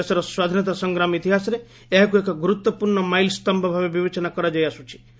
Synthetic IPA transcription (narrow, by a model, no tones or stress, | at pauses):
esɔɾɔswad̪ʱinɔt̪asɔŋɡɾamit̪iɦasɔɾe | eɦakuekɔɡuɾut̪wɔpuɾɳɔmajlst̪ɔmbʱɔbʱabebibet͡ʃɔnakɔɾad͡ʒajasut͡ʃʰi̥